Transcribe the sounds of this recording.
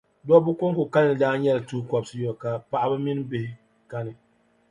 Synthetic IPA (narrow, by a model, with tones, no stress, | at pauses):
dɔ˦bʊ˦ko˦ŋko˨ka˦nː˦ɨ˨daː˦ɲɛ˦lɨ˨tu˦kɔ˨bsɨ˦jɔ˨ka˨pa˦˨ʔa˦ba˦mi˦n˦bɪ˦hɪ˦ | ka˦nɨ˨